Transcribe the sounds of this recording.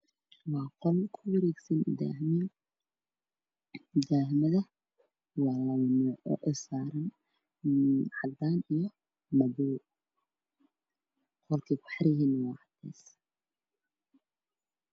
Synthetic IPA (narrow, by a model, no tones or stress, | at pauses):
wɑːqɔlkʰʊwɐɾɛːɡsɐn | d̪aːhmɐðɐ | wɑːlɐwmɔʔɔ̰ʔɔsaːɾɐn | ʕɑd̪aːnijɔ | mɐbuː | qɔlkʰiːbḁħɾɪjiːnɐwɑːʕɑd̪ɛ̰ːs